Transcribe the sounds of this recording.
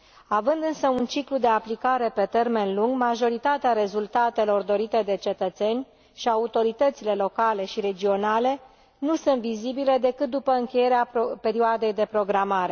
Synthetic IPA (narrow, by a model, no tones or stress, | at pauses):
avɨnd̪ɨnsəunt͡ʃiklud̪e̞aplikaɾe̞pe̞t̪e̞rme̞nluŋɡmaʒo̞ɾit̪at̪eaɾe̞zult̪at̪e̞lo̞rd̪o̞ɾit̪e̞d̪e̞t͡ʃe̞t̪ət̪se̞nʲ | ʃiaut̪o̞ɾit̪ət̪sile̞lo̞kale̞ʃiɾe̞d͡ʒio̞nale̞ | nusunt̪vizibile̞d̪e̞kɨt̪̚d̪upəɨŋkʲe̞je̞ɾeape̞ɾioad̪e̞jd̪e̞pɾo̞ɡɾamaɾe̞